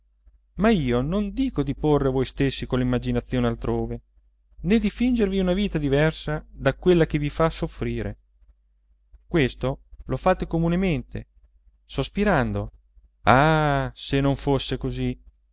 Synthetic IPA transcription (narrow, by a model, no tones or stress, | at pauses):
maiːonond̪iːkod̪iporːevojst̪esːikolːimːad͡ʒinat̪sːjoːnealt̪ɾoːve | ned̪ifind͡ʒerviunaviːt̪ad̪ivɛrsad̪akwelːak̟evifasːofɾiːɾḛ | kwest̪olofaːt̪ekomunement̪e | sospiɾand̪o | asenːoɱfosːekozi